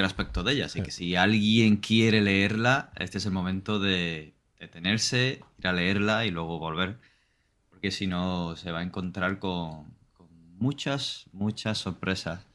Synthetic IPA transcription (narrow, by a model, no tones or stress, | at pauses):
elaspek̚t̪o̞ðe̞ʎa̰ːsike̥sialɣje̞ŋkje̞ɾe̞le̞e̞ɾlaḛst̪ees̬elmõ̞mẽnt̪o̞ðe̞ | d̪̥e̞t̪e̞ne̞ɾse̞iɾale̞e̞ɾlailweɣ̞oβo̞lβ̞e̞ɾ | po̞ɾke̞sino̞se̞β̞ae̞ŋko̞nt̪ɾaɾko̞ŋko̞ŋmut͡ʃasmut͡ʃasːo̞ɾpɾe̞sas